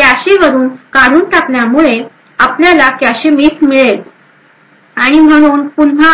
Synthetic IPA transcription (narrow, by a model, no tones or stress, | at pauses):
t̪jaɕiʋəɾuːnkaɾuːnt̪apljamuɭe | apljalak̪jaɕimiːt̪ʰmiɭel | aɽ̃im̤əɽ̃uːnpun̤a